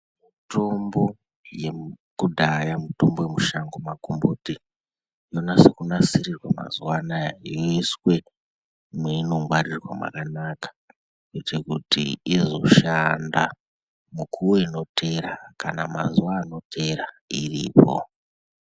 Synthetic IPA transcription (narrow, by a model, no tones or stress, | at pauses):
mito̞mbo̞ | je | kudʱajamito̞mbo̞je̞muʃaŋɡomakumbuti | jo̞nase̞kunasiɾirwama̰zuwanajoiswe̞ | meinoŋɡwarirwa̰mwa̰kanakḁ | jet͡ʃekutḭizo̞ʃanda | mukʰuwoino̞tʰe̞ɾakanamazuwaːno̞tʰe̞ɾa | irḭːpo̞̰